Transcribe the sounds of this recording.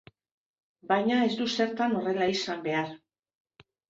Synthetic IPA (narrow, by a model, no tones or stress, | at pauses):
bajɲae̞zd̪use̞ɾt̪ano̞re̞laisambe̞aɾ